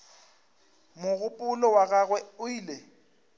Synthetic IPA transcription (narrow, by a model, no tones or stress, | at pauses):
mʊɣʊpʼʊlɔwaɣaɣwɛʊiːle